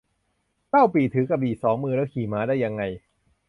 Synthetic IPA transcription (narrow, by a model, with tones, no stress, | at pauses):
ka˥˩wpiː˨˩t̪ʰɯː˨˩˦ka˧p̚diː˨˩sɔː˩˦ŋmɯː˧lɛː˦˥˩kʰiː˨˩maː˦daː˥˩jːa˧ŋːa˧j